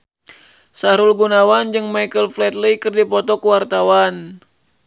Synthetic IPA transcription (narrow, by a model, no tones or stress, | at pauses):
saɾulɡunawand͡ʒɨŋmajkəlflɛt̪likɨrdipɔt̪ɔkuwart̪awan